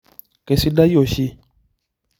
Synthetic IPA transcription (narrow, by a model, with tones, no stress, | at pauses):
ke˧˨si˧˦da˦jo˨ʃi˧